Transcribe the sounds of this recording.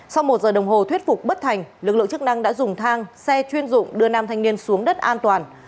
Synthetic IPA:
sa˧wmo˨˩t̚zəː˨˩ɗə˨˩wŋ͡mɦo˨˩t̪wi˦˥ət̚fʊ˨˩k͡p̚ɓə˦˥t̚t̪ʰa˨˩jŋ̟lɨ˨˩k̚lɨ̰˧˨t͡ɕɨ˦˥k̚na˧ŋɗa̰ː˧˥zʊ˨˩ŋ͡mt̪ʰaː˧ŋsɛ˧t͡ɕwi˧ənzʊ̰˧˨ŋ͡mɗɨ˧ənaː˧˩mt̪ʰa˨˩ŋni˧ənsu˨˦əŋɗə˦˥t̚ʔaː˧nt̪waː˨˩n

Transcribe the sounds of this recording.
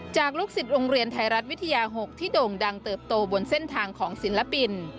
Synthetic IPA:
t͡ɕaː˨˩k̚lu˦˥k̚si˨˩t̪̚ɾoː˧ŋɾi˧ənt̪ʰa˧jɾa˦˥t̪̚wi˦˥t̪ʰːa˧jaː˧ɦo˨˩k̚t̪ʰiː˥˩doː˧ŋda˧ŋt̪ɤː˨˩p̚t̪oː˧bo˧nse˥˩nt̪ʰaː˧ŋkʰɔː˩˦ŋsi˩˦nla˧˥pi˧n

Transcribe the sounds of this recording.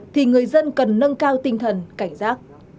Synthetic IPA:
t̪ʰi˨˩ŋɨ˨˩əjzə˧nkə˨˩nːə˧nkaː˧wt̪ï˧˩ŋ̟t̪ʰə˨˩nka˧˩jŋ̟zaː˦˥k̚

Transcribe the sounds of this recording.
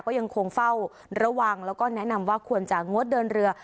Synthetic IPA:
kɔː˥˩ja˧ŋkʰo˧ŋfa˥˩w | ɾa˧wa˧ŋlɛː˦˥wkɔː˥˩nɛ˦˥ʔna˧mwaː˥˩kʰu˧ənt͡ɕa˨˩ŋo˦˥t̪̚dɤː˧nɾɯ˧ɐ

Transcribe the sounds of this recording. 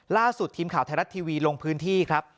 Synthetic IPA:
laː˥˩su˨˩t̪ʰːiː˧mkʰaː˨˩˦t̪ʰa˧ɾa˦˥t̪ʰːiː˧wiː˧lo˧ŋpʰɯː˦˥nt̪ʰiː˥˩kʰɾa˦˥p̚

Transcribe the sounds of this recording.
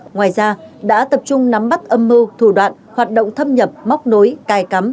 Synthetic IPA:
ŋwaː˨˩jzaː˧ɗa̰ː˧˥t̪ə˨˩p̚t͡ɕʊ˧ŋ͡mna˨˦mɓa˦˥t̚ʔə˧mːɨ˧wt̪ʰu˧˩ɗwa̰ː˧˨n | hwaː˨˩t̚ɗo̰˧˨ŋ͡mt̪ʰə˧mɲə˨˩p̚ma˦˥k͡p̚no˨˦jkaː˨˩jka˨˦m

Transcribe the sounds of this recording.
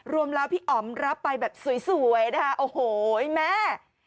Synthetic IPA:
ɾu˧əmlɛː˦˥wpʰiː˥˩ʔɔː˩˦mɾa˦˥pːa˧jbɛː˨˩p̚su˨˩˦jsu˨˩˦ə˦jna˦˥kʰa˥˩ʔoː˨˩hoː˨˩˦mɛ˦˥

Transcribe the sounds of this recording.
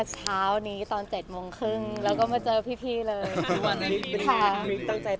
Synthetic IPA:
t͡ɕʰaː˦˥wniː˦˥t̪ɔː˧nt͡ɕe˨˩t̪̚mo˧ŋkʰɾɯ˥˩ŋlɛː˦˥wkɔː˥˩ma˧t͡ɕɤː˧pʰiː˥˩t̪ʰiː˧˩lɤː˧a˧˩i˦˥˧kʰa˥˩mi˦˥k̚t̪a˥˩ŋt͡ɕa˧j

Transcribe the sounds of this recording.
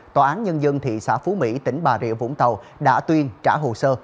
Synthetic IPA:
t̪waː˨˩ʔaː˨˦nɲə˧nzə˧nt̪ʰḭ˧˨sa̰ː˧˥fu˨˦mḭ˧˥t̪ï˧˩ŋ̟ɓaː˨˩zḭ˧˨əvʊ̰˧˥ŋ͡mt̪ə˨˩w | ɗa̰ː˧˥t̪wi˧ənt͡ɕa̰ː˧˥ɦo˨˩səː˧

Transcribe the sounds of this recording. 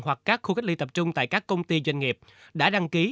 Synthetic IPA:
hwa˨˩kːaː˦˥kxu˧kk̟̚li˧t̪ə˨˩p̚t͡ɕʊ˧ŋ͡mt̪a̰ː˧˨jkaː˦˥kːə˧wŋ͡mt̪i˧zwa˧jŋ̟ŋi˨˩əp̚ | ɗa̰ː˧˥ɗa˧ŋki˨˦

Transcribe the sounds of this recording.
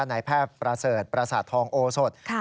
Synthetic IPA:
a˧naː˩˦jpʰɛː˥˩pːɾa˧sɤː˨˩t̪̚pɾa˧sa˨˩t̪ʰːɔː˧ŋʔoː˧so˨˩t̪̚ʰ

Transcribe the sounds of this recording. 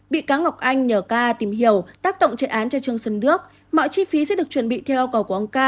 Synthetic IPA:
ɓḭ˧˨kaː˨˦ŋa˨˩wk͡p̚ʔa˧jŋ̟ɲəː˧˨˩kaː˧t̪i˧˩mɦi˧˩əwt̪aː˦˥k̚ɗo̰˧˨wŋ͡mt͡ɕə̰˧˩˨ʔaː˨˦nt͡ɕɔ˧t͡ɕɨ˧əŋsə˧nnɨ˦˥ək̚ | mɔ̰˧˨jt͡ɕi˨˧˦fi˨˦sɛ̰˧˥ɗɨ˨˩ək̚t͡ɕwə˨˩nɓḭ˧˨t̪ʰɛ˧wʔi˧wkə˨˩wku˧˩ʔə˧wŋ͡mkaː˧

